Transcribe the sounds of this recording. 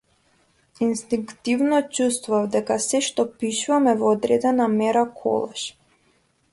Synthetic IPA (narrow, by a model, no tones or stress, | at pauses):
inst̪iŋkt̪ivnɔt͡ʃust̪vuavd̪ɛkasɛʃt̪ɔpiʃuvamɛvɔːd̪ɾɛd̪ɛnamɛɾakʰɔ̰lˠɛʃ